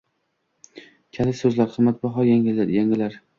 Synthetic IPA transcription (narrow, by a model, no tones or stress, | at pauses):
kʲʰalɪsɵzlaɾqʰɨmːat̪̚bɒɦɒjaŋɪlːaɾjaŋɪlaɾ